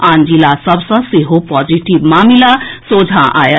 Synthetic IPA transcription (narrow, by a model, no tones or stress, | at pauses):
and͡zilasʌbsʌ̃seɦopɔd͡ziʈibmamilasod͡zʱãʔa̰jə